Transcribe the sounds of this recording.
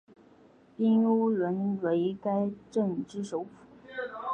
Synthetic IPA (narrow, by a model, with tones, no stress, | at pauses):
pi˥nu˥ɻə˧˥nwe˧˥ɪka˥ɪʈ͡ʂə˥˩ŋʈ͡ʂɻ̩˥ʂo˧˥ʊfu̥˨˩˦